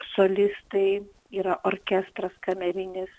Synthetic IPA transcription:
solʲɪst̪ɐɪ | iːɾɐʔoːɾʲkʲɛst̪ɾɐskɐmʲɛɾʲɪnʲɪs

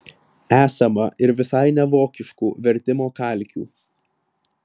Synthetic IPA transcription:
æːsɐmɐʔɪɾʋʲɪsɐɪnʲɛʋoːkʲɪʃkuːʋʲɛɾʲt̪ʲɪmoːkɐˑlʲˑkʲṵː

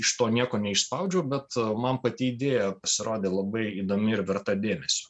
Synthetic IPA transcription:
ɪʃt̪oːnʲiɛkoːnʲɛɪʃspɐʊd͡ʒʲɛʊbʲɛt̪mɐnpɐt̪ʲiiːd̪ʲeːjɛpɐsʲɪɾoːd̪ʲeːlˠɐbɐɪiːd̪oːmʲɪɪɾʋʲɛɾt̪ɐd̪ʲeːmʲɛsʲʊ

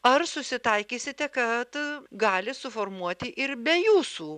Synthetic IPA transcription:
ɐrsʊsʲɪt̪ɐɪkʲiːsʲɪt̪ʲɛkɐt̪ɡɑːlʲɪsʊfoːrmuɔt̪ʲɪʔɪɾbʲɛjuːsuː

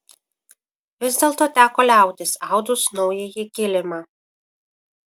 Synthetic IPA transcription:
ʋʲɪzʲd̪ʲeːlˠt̪oːt̪ʲæːkoːlʲæˑʊt̪ʲɪsɑˑʊd̪ʊsnɔʊjɛjɪkʲɪlʲɪmɑː

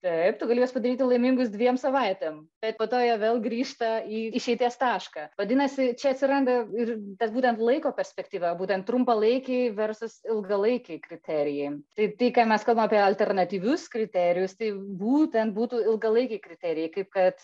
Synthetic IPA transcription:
t̪ɐɪpt̪ʊɡɐlʲiːjosʲpɐd̪ɐɾʲiːt̪ʲɪlˠɐɪmʲɪŋɡʊsd̪ʲʋʲiɛmsɐʋɐɪt̪ʲeːmb̥ʲɛt̪̚poːt̪oːjɛʋʲeːlˠɡɾʲiːʃt̪ɐiːɪʃʲɛɪt̪ʲiɛst̪ɑːʃkɑʋɐd̪ʲɪnɐsʲɪt͡ʃʲɛɐt̪ʲsʲɪɾɐnd̪ɐɪrt̪ɐsbuːt̪ʲɛnt̪lˠɐɪkoːpʲɛɾʲsʲpʲɛkt̪ʲiːʋɐbuːt̪ʲɛnt̪̚ːɾʊmpɐlˠɐɪkʲɛɪʋʲɛɾsʊsɪlˠɡɐlˠɐɪkʲɛkɾʲɪt̪ʲæːɾʲɪjɛɪt̪ɐɪt̪ɐɪkɑːmʲɛskɐlˠbɐmɐpʲiɛɐlʲt̪ʲɛrnɐt̪ʲiːʋʲʊskɾʲɪt̪ʲæɾʲɪjʊst̪ɐɪbuːt̪ʲɛnt̪̚buːt̪uːɪlˠɡɐlˠɐɪkʲɛɪkɾʲɪt̪ʲæɾʲɪjɛɪkɐɪp̚kɐt̪

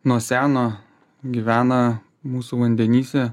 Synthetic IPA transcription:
nuɔsʲæːnoː | ɡʲiːʋʲæːnɐ | muːsuʋɐnʲd̪ʲɛnʲiːsʲɛ

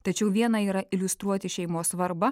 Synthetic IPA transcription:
t̪ɐt͡ʃʲɛʊʋʲiɛnɐiːɾɐɪlʲʊst̪ɾuɔt̪ʲɪʃʲɛɪmoːsʋɐɾbɐ

